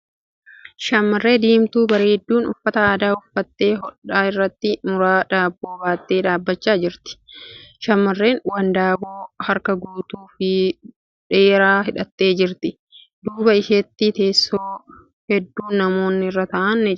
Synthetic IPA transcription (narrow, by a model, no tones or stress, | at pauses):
ʃɐmːɐrːe̞ːd̪iːmt̪uːbɐɾeːd̪ːuːnʊ̰fːɐt̪ɐaːd̪aːʊfːɐt̪ːe̞ːɦɔᶑaːɪrːɐt̪ːɪmʊɾaːᶑ̪aːbːo̞ːbaːt̪ːeːᶑ̪aːbːɐt͡ʃːaːd͡ʒɪɾt̪ɪ̥ʃɐmːɐrːe̞ːnwɐnd̪aːboːhɐɾkɐɡuːt̪uːfɪ | ᶑe̞ːɾaːɦɪᶑɐt̪ːe̞ːd͡ʒɪɾt̪ɪ | d̪uːbɐɪʃeːt̪ːit̪e̞ːsːoː | hɛd̪ːuːnːɐmo̞ːnːɪrːɐt̪ɐʔɐnːɛ